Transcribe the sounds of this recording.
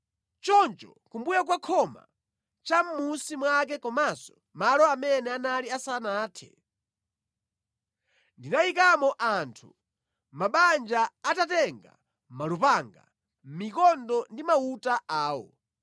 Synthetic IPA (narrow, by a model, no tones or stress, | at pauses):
t͡ʃɔnt͡ʃɔ̰ | kumbujak̬wakʰɔma̰ | t͡ʃam̩musimwak̬ɛkɔmasɔ | malɔamɛnɛanaliasanaːtʰɛ̥̰ | ndinaikamɔʔantʰu̥ | maɓand͡ʒaatatɛŋɡa̰ | malupaŋɡa̰ | m̩mikɔndɔndimautaʔaːwɔ̰